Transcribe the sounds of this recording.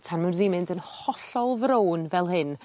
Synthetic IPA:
tʰanmɛnðimɨndənhɔɬɔlˠvɾownvɛlˠɦɨn

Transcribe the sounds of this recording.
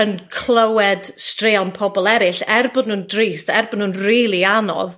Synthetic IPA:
ənkʰlˠəwɛd̥streːɔnpʰɔbɔlˠɛɾɪɬɛrbɔʊdnuːndriːstɛrbɔdnuːnriːlˠianɔ̰ð

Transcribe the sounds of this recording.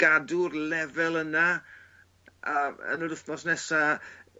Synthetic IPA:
ɡ̥adʊrlɛvɛlˠəna | aə̰nuɾʊθmɔsnɛsa

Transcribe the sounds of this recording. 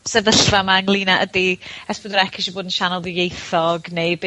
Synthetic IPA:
sɛðəɬvamaəŋlˠiːnaʔədiɛsbɔdɔɾɛkʰɪʃɔboːdənʃanɔlˠðɪjejθɔɡnejb

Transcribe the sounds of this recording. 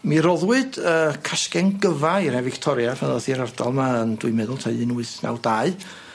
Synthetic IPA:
miɾɔðwɨd̥əːkʰaʃkɛnɡəvaiɾɛvɪktʰɔɾjavɛðɔθiɾardɔlˠmaəndʊɨmɛðʊlˠtʰaɨɨnuɨθna̰wdaɨ

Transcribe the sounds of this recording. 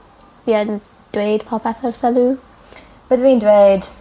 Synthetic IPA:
viən | d̥weːd̥pʰɔpʰɛθərθəlu | bəðvindweːd̥

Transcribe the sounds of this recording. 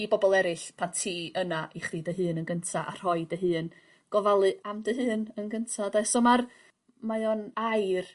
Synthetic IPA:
ibɔbɔlˠɛɾɪɬpʰantʰiːənaʔiχidəɦɨːnənɡəntʰaʔa̰r̥hɔɨdəɦɨːn | ɡ̥ɔvalˠɨʔamdəɦɨːnənɡəntʰadasɔmar | majɔnajr

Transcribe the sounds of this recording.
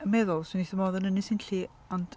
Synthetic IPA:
əmɛðʊlˠswɪniθəmɔðɔnənisinɬiː | ɔnd̥

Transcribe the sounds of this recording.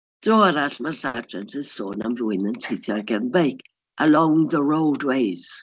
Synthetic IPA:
d̥roaɾaɬmaɬadrɛntʰənsoːna̰mrʊɨnəntʰejθjɔrɡɛnbejkʰ | ʔəlɔ̃ŋðəɹowdwejz̥

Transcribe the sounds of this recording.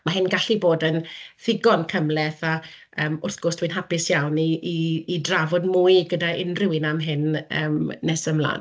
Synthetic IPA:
maɦɪnɡaɬiboːdənθɪɡɔnkʰəmlɛθa | əːmʊrθɡ̥ɔrsd̥wɨnɦapɪsjawniːdravɔdmuɨɡədaɪnrɪwɪnamɦɪnəːmːɛsəmlˠa̰ːn

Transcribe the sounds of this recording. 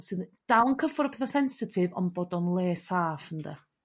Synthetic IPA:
sɨðd̥awnkʰəfʊɾəpʰɛθasɛnsɪtʰɪvɔ̰nbɔdɔnlˠeːsaːfəndə

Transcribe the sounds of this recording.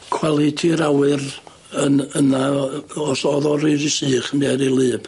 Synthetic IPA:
kʰw̥alˠitʰiɾawɨr | ənənaɔsɔðɔɾiɾɪsɨːχəmɛɾilˠɨːb̥

